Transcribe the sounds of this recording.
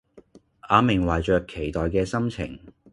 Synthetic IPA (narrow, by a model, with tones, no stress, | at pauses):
ʔaː˨˧mɪ˨˩ŋwɐ˨jt͡ʃœː˨˧kʰːe˨˩jt̪ɔː˨jkɛː˧sɐ˥mt͡sʰɪ̰˨˩ŋ